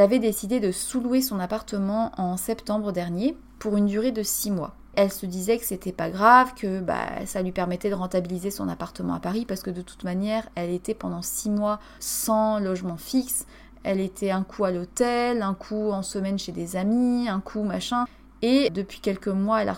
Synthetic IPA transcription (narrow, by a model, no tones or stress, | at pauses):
ɛlavɛd̪esid̪ed̪əsuluwesɔ̃napaʁt̪əmɑ̃ʔɑ̃sɛpt̪ɑ̃bʁəd̪ɛʁnje | puʁynd̪yʁed̪əsimwa̰ | ɛlsəd̪izɛkə̥set̪ɛpaɡʁavkʰəba̰salɥipɛʁmɛt̪ɛd̪əʁɑ̃t̪abilizesɔ̰̃na̰paʁt̪əmɑ̰̃apaʁipaʁsə̥kəd̪ət̪u̥t̪manjɛʁɛlet̪ɛpɑ̃d̪ɑ̃simwa | sɑ̃lɔʒmɑ̃fiks | ɛlet̪ʰɛɛ̃kʰualot̪ɛlɛ̃kʰuɑ̃səmɛnʃed̪ezamiɛ̃kʰumaʃɛ̃ | ed̪əpɥikʲɛlkəmwaɛla̰